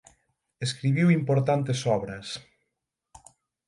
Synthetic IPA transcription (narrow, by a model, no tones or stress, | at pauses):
eskɾiβiwimpoɾt̪ant̪esɔβɾɐs